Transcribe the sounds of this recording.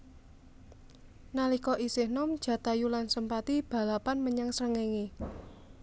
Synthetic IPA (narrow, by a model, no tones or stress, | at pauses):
nalikɔʔisɪhnɔmd̥ʒ̥ä̤t̪ajulansəmpat̪ib̥a̤lapanməɲaŋsɾəŋeŋi